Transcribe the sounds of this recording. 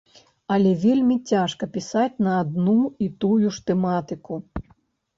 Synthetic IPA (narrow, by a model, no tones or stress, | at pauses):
ɐlʲɛvʲelʲmʲit͡sʲaʂkɐpʲisat͡sʲnɐːd̪nuit̪ujuʂt̪ɛmat̪ɨku